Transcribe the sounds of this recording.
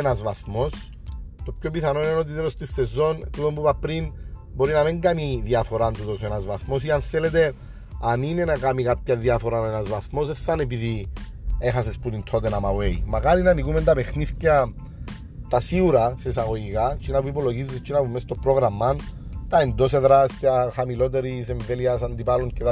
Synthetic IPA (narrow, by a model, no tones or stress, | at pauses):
nɐzvɐθmo̞s | t̪o̞pçopiθɐnoineo̞t̪̬it̪eɾo̞st̪isːe̞zo̞nt̪ut̪ombupɐpɾinbo̞ɾinɐmiŋɡamiðiɐfo̞ɾant̪ut̪osenɐzvɐθmo̞siɐnθe̞le̞t̪e̞ | ɐnine̞nakamikapçɐðiafo̞ɾanenɐzvɐθmo̞seθːɐnep̬iði | exasesput̪int̪ʰo̞t̪enamawejmɐkaɾinanikumend̪ɐpe̞xniθcɐ | t̪ɐsiuɾɐses̬aɣo̞ʝikat͡ʃinapuip̬oloʝizːist͡ʃːinɐpumest̪opɾoɣɾɐmːɐn | t̪ɐend̪os̬eðɾast̪jaxamilo̞t̪e̞ɾise̞ɱveliɐsɐnd̪ipaluɲcet̪